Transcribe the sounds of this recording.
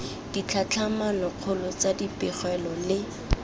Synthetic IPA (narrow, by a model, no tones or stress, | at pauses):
d̥it͡ɬʰat͡ɬʰamanɔq͡χʰʊlɔt͡sadipɪχwɛlɔlɪ